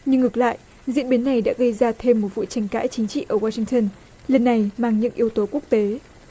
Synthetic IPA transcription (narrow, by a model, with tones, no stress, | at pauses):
ɲɨ˧ŋːɨ˨˩k̚la̰ː˧˨jʔ | zḭ˧˥ənɓi˨˦nːa˨˩jɗa̰ː˧˥ɣə˧jzaː˧t̪ʰe˧mːo˨˩t̚vṵ˧˨t͡ɕa˨˩jŋ̟ka̰ː˧˥jt͡ɕï˨˦ŋ̟t͡ɕḭ˧˨ʔəː˧˩waː˧sï˧ŋt̪ə˧n | lə˨˩nːa˨˩jmaː˨˧˩ŋɲɨ̰˧˥ŋʔi˨˦əwt̪o˨˦ku˦˥ək̚t̪e˨˦